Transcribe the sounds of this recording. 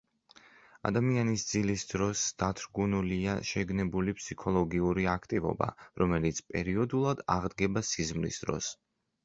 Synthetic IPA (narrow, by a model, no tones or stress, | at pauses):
a̰d̪amianisd̪zilisd̪̥ɾɔsd̪̥at̪ʰɾɡunuliaʃɛɡnɛbulipʰsikʰɔlˠɔɡiuɾiakʰt̪ʼivɔ̰ba̰ɾɔmɛlit̪sʰpʼɛɾiɔd̪ulˠad̪aʁd̪ɡɛbasizmlḭsd̪ɾɔ̰s